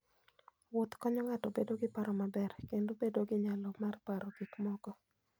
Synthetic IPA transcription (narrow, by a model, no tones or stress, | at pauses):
wot̪kɔɲɔŋatɔbedoɡɪpaɾɔmabɛrkendobedoɡɪɲalɔmarpaɾɔɡ̥ikmɔɡɔ